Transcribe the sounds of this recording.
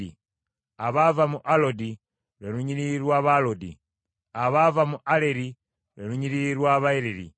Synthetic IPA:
ḭ | aβavamuʔalodi | ɾeluɲiɾiɾwaβalodḭ | aβavamuʔaleɾi | ɾeɾuɲiɾiɾwaβaeleɾḭ

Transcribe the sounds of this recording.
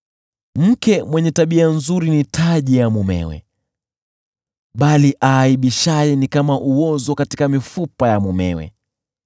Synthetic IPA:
m̩kɛmwɛɲɛtaɓianzuɾinitʰaʄijamumɛ̰wɛ̰ | ɓaliʔaːiɓiʃajɛnikamaʔuwɔzɔkatikamifupajamumɛ̰wɛ̰

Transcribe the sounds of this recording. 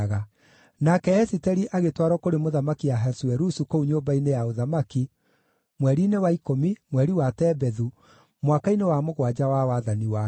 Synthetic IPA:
ɣa | nakɛɛsitɛɾiʔaɣetwaɾɔkoɾemoðamakijaɦɛsuɛɾusukouɲobainejaoðamaki | mwɛɾinewaikomimwɛɾiwatɛbɛðu | mwakainewamoɣwad͡ʑawawaðaniwa

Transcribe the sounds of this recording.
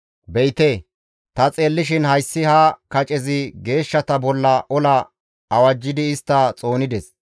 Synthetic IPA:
bɛjt̪eː | t̪ɐt͡sʼe̞ːlːɪʃ̬ɪnhɐjsːɪhɐkɐt͡ʃʼɛzɪɡe̞ːʃːɐt̪ɐbɔlːɐʔɔlɐ | ɐwɐd͡ʒːɪd̪ɪːst̪ːɐt͡sʼo̞ːnɪd̪ɛs

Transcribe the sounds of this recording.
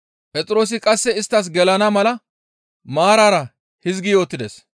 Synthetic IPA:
pʼɛt͡sʼɪɾo̞ːs̬ɪkʼɐsːɛɪst̪ːɐs̬ɡɛlɐnɐmɐlɐ | maːɾaːɾɐ | hɪzɡɪjo̞ːt̪ːɪd̪es

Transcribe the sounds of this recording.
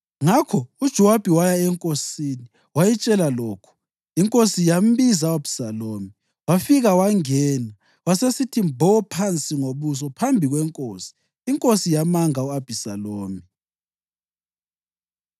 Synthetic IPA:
ŋakʰɔud̥ʒ̥ʱɔwab̥ʱiwajaɛŋkʼosini | wajɛt͡ʃʼɛlalɔːkʰu̥ | iŋkʼosijam̩βizaab̥i̥saloːmi | wafiɣawaŋɛːna | wasesitʰimbʱɔɔpʰant͡sʼiŋoβus̬ɔpʰambʱiɣwɛŋkʼoːsi̥ː | ŋkʼosijamaŋauab̥ʱisaloːmi

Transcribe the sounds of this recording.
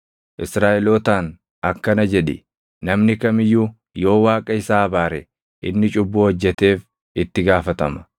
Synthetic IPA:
ʔɪsɾaːʔɪloːt̪aːn | ɐkːɐnɐd͡ʒɛᶑɪ̰ | nɐmnɪkɐmɪjːu | jo̞ːwaːkʼɐɪsaːɐbaːɾɛ | ʔɪnːɪt͡ʃʼʊbːuːɔd͡ʒːɛt̪e̞ːf | ɪt̪ːɪɡaːfɐt̪ɐmɐ̥

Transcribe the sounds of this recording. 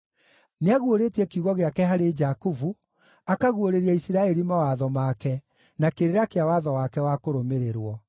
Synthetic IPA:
neaɣwoɾeːtiɛkiuɣɔɣeakɛɦaɾed͡ʒakuvu | akaɣwoɾeɾiɛisiɾaɛɾimawaðɔmaːkɛ | nakeɾeɾakeawaːðɔwakɛwakoɾomeɾeɾwɔ

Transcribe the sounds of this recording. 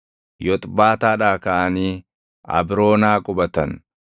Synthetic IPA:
jɔt̪ʼbaːt̪aːᶑaːkɐʔɐniː | ɐ̰bɾo̞ːnaːkʼʊbɐt̪ɐn

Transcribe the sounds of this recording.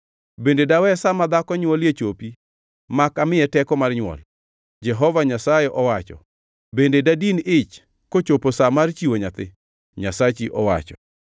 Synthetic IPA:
bendedawɛsamad̪akɔɲwɔljet͡ʃopi | makamɪɛtɛkɔmarɲwɔ̰l | d͡ʒɛɦɔvaɲasajeʔɔwat͡ʃɔ̰ | bendedadinɪt͡ʃ | kot͡ʃoposamart͡ʃiwoɲat̪ɪ | ɲasat͡ʃiʔɔwa̰t͡ʃɔ

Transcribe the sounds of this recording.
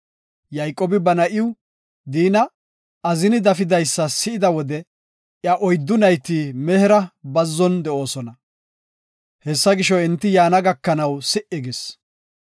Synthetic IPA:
jɐjkʼoːbɪbɐnɐʔɪw | d̪iːnɐ | ɐzɪnɪd̪ɐfɪd̪ɐjsːɐsɪʔɪd̪ɐwɔd̪ɛ | ʔjɐʔɔjd̪ːʊnɐjt̪ːiːmɛhɪɾɐbɐzːɔnd̪ɛʔo̞ːsɔnɐ | hɛsːɐɡɪʃɔɪnt̪ːɪjaːnɐɡɐkːɐnɐwsɪʔɪɡɪs

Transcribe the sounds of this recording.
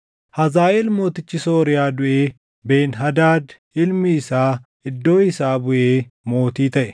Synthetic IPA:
hɐzaːʔɛlmo̞ːt̪ɪt͡ʃːɪso̞ːɾɪjaːd̪ʊʔeː | beːnɦɐd̪aːd̪ | ɪlmɪːsaːʔɪd̪ːo̞ːɪsaːbʊʔeːmo̞ːt̪iːt̪ɐʔɛ̥

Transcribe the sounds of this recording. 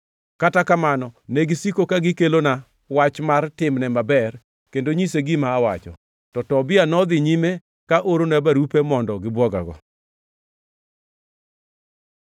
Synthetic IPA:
katakamanɔneɡɪsikokaɡɪkelona | wat͡ʃmartɪmnɛmabɛr | kendoɲiseɡɪmaːwat͡ʃɔ̰ | tɔtɔbɪanɔd̪ɪɲime | kaʔoɾonabaɾupemɔndɔɡɪbwɔɡa̰ɡɔ̰

